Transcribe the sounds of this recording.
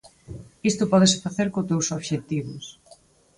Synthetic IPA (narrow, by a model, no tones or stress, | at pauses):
ist̪ʊpɔðɪsfaθeɾkot̪ewsoβʃet̪iβʊ̰s